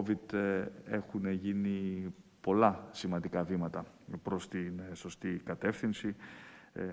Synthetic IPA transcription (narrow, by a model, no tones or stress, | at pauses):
vid̪e̞xuneʝinipo̞lɐsimɐ̃nd̪ikɐvimɐt̪ɐ | pɾo̞st̪inso̞st̪ikɐt̪e̞fθinsi